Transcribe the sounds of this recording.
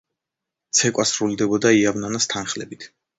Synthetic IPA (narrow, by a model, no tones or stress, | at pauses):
t̪sʰɛkʼasɾuld̪ɛbɔd̪aiavnanast̪ʰanχlɛbit̪ʰ